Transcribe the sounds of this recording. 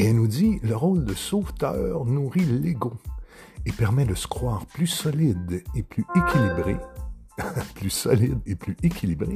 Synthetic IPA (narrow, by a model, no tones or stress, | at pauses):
eɛnud̪iləʁold̪əsoft̪œ̰ːʁnuʁileɡõ | epɛʁmɛd̪əsə̥kχwaːʁplysɔlid̪eplyekʲʰilibʁḛ | plysɔlid̪eplyekʲʰilibʁe